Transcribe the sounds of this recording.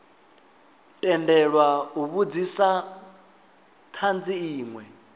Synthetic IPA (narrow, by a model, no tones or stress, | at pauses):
tʼɛndɛɺwauβud͡zisa | tʰand͡ziiːŋwɛ